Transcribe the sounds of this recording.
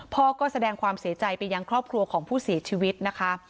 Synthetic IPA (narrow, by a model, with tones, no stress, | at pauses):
pʰɔː˧kɔː˥˩sa˧dɛː˧ŋkʰwaː˧msi˩˦ɐt͡ɕa˧jpa˧jːaː˧ŋkʰɾɔː˥˩p̚kʰɾu˧ɐkʰɔː˩˦ŋpʰuː˥˩siː˨˩˦t͡ɕʰiː˧wi˦˥t̪̚na˦˥kʰa˦˥